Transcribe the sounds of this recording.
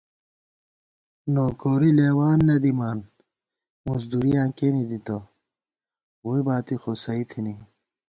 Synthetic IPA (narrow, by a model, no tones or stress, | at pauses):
noːkoːɾileːwaːnːɐd̪imaːn | muzd̪uɾijãːkenid̪it̪o | woːibaːt̪ixosɐit̪ʰini